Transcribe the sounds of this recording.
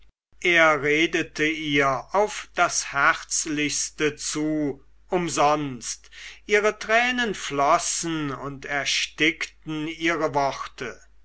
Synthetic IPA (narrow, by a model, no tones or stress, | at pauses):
ʔeːɐʁeːdətəiːɐʔaʊfd̥ashɛæʁt͡slɪçstət͡suː | ʔʊmzɔnstʔiːʁətʁ̥ɛːnənflɔsn̩ʊntɛɐʃtɪktn̩iːʁəvɔχtʰə